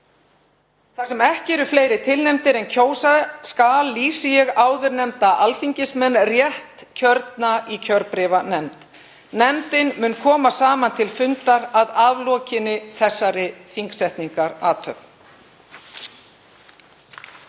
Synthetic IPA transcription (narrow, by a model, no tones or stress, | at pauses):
θaɾsɛmɛhcɛɾʏfleːjɾɪt̪ʰɪlnɛmt̪ɪɾɛncʰoːwsaskaːlːiːsɪjɛɣaːwðʏɾnɛmt̪aʔalfiɲcɪsmɛnːrjɛht̪cʰœɾt̪̚naicʰœɾpɾɪːvanɛmt̪ | nɛmt̪ɪnmʏnkʰɔːmasaːmant̪ʰɪlfʏnt̪aɾaðaːvlɔːcɪnɪθɛsːaɾɪθiŋksɛht̪niŋkaɾaːt̪ʰœ̰p̚n